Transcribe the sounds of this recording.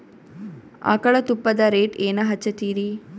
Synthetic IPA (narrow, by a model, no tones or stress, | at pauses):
a̰ːkɐɭɐt̪upːɐd̪ɐɾeːʈeːnɐɦɐt͡ʃːɐt̪iːɾi